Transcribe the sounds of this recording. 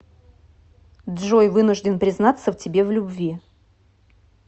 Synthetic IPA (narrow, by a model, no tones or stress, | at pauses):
d̪ʐojvɨnʊʐdʲɪnpɾʲɪznat̪səftʲɪbʲe̞vlʲʊbvʲi